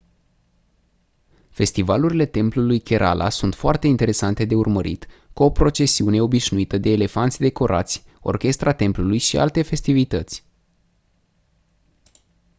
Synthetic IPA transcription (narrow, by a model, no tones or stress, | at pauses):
fe̞st̪ivaluɾile̞t̪e̞mplulujkʲe̞ɾʔa̰lʔa̰sunt̪foart̪e̞int̪e̞ɾe̞sant̪e̞d̪e̞urməɾḭt̪kuo̞pɾo̞t͡ʃe̞siune̞o̞biʃnuit̪əd̪e̞ːle̞fant̪sʲd̪e̞ko̞ɾʔa̰t̪sʲo̞̰rkʲe̞st̪ɾat̪e̞mplulujʃia̰lt̪e̞fe̞st̪ivit̪ət̪sʲ